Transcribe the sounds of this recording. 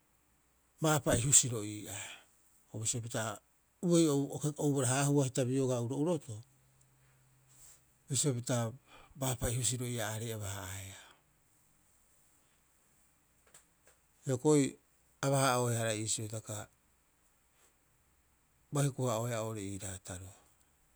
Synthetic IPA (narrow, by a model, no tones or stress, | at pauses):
maːpaihusiɾo̞ʔiːʔa | oβisiop̬ita | uejookeowbaɾaɦaːhuahitabioɡauɾo̞uɾo̞to | bisiopitabaːpaihus̬iɾo̞iaːɾejaβahaaea | eoko̞i | aβahaohehaɾaiːsiotaka | bahikuhaoheaoɾeiːɾataɾoa